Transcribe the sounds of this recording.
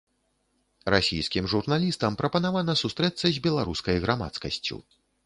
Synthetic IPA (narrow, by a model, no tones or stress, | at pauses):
ɾasʲḭjskʲimʐurnalʲist̪ɐmpɾɐpɐnavanɐsust̪ɾɛt̪sːɐzʲbʲɛlˠaɾuskɐjɣɾʔama̰t̪skɐsʲt͡sʲṵ